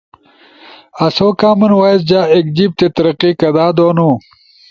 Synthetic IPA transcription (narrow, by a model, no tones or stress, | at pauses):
ɐsoːkaːmɐnwaːis̬d͡ʑaːek̚d͡ʑib̚t̪et̪ɐɾɐqikɐd̪aːd̪oːnu